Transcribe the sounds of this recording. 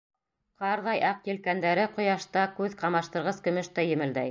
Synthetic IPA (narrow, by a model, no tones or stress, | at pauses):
qɑɾðɑjʔɑqjɘ̆lkænd̪æɾɘqŏjɑʃt̪ɑkʉðqɑmɑʃt̪ɤ̆ɾʁɤskɵ̆mɵʃt̪æjɘ̆mɘ̆ld̪æj